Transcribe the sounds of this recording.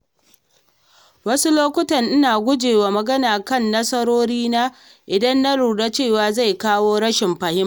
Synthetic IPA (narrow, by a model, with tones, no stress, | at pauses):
wɐ˦su˦loː˦kʷʊ˦tɐ˨nʔɪ˦naː˨ɡʷʊ˦d͡ʒeː˨waː˨mɐ˨ɡɐ˦naː˨kɐ˦˨nːɐ˦sɐ˦ɾoː˦ɽiː˦naː˦ | ʔɪ˨dɐ˦nːa˦ɽuː˨ɽa˦t͡ʃeː˦˨waː˨za˦˨jkaː˦woː˦ɽɐ˦ʃɪ˨mɸɐ˨hɪ˦m˨